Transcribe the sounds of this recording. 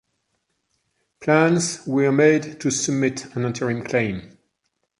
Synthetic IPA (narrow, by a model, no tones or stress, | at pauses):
pʰl̥æ̃nzwiəmeɪdtʰɨsəb̚mɪtə̃nɪ̃ntʰəɹɪ̃mkʰl̥ẽɪ̃m